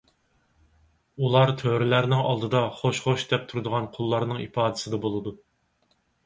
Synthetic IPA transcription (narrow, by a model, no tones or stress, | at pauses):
ulˠɑɾt̪ʰøɾɪlæɾnɪŋɑ̰lˠd̪ɨd̪ɑχoʃχoʃd̪ɛp̚t̪ʰuɾɨd̪ʊʁɑnqʰʊlˠːɑɾnɨŋḭpʰɑːd̪ɨ̥sɨd̪ɑbolˠɨd̪u